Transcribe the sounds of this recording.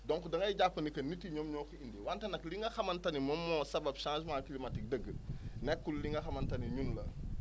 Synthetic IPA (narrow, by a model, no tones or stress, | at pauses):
dɔŋkdɐŋɡɐjɟapːɐnikɐnːitːiɲɔmɲɔːkuindiwantɐnɐkliŋɡɐxɐmɐntɐnimɔmːɔːsɐbɐbʃãs̬maklimɐtik̚dəɡːənɛkːulliŋɡɐxɐmɐntɐniɲunlɐ